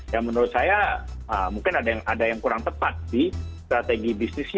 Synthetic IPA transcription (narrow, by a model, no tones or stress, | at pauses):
jaŋmənoɾʊt̪̚sajaəmuŋkɪnadajaŋʔadajaŋkuɾaŋt̪əpat̪̚dist̪ɾat̪eɡibisnɪsɲ